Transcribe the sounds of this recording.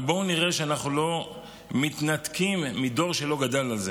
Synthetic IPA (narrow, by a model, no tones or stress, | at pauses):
bo̞uniʁeʃeanaχnulo̞ | mit̪nat̪kimːid̪o̞ʁʃe̞lo̞ɡad̪alalze